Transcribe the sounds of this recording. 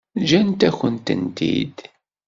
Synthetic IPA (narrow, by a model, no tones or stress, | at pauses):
d͡ʒænt̪æçʷənt̪ə̰nt̪ḭd̪